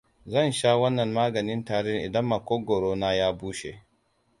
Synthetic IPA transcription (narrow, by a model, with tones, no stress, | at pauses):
zɐ˦˨nʃa˦wɐ˦nːɐ˨mmaː˦ɡɐ˨nɪ˦ntaː˨ɽɪ˦ŋʔɪ̰˨dɐ˦mːa˨kʷoː˦ɡoː˨ɾoː˦naː˦jaː˦buː˦ʃḛ˨